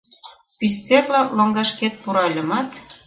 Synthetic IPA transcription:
pis̬t̪erlɑloŋɡɑʃket̪̚puɾɑlʲɤ̆mɑt̪

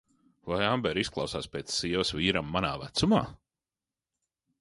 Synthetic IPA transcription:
vajambɛɾisklˠɑ̰wsaːspʲeːt̪sːiɛvsviːɾamːanaːvæt̪suma̰ː

